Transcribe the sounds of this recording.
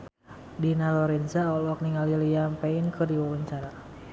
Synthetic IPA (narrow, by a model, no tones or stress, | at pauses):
dinalɔɾɛnzaɔlɔk̚niŋalilijampɛinkɨrdiwawaɲt͡ʃaɾa